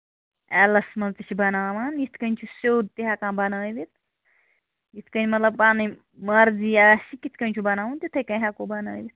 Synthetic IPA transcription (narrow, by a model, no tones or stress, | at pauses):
ɛlɐsmɐlt͡s̪it͡ʃʰibɐnaːʋaːnjit̪ʰkɐnʲt͡ʃʰusoːd̪̚t̪iɦɐkãːbɐnaːjʋit̪̚ | jit̪ʰkɐnʲmɐt̪lɐb̚paːni | mɐɾziaʃikit̪ʰkɐnʲt͡ʃʰubɐnaːʋũnt̪it̪ʰɐkɐ̃jɦɐkoːbɐnaːjʋit̪